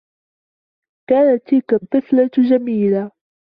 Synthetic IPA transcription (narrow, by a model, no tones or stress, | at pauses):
kaːnat̪ːɪlkat̪ˤːɨθlad͡ʒamiːla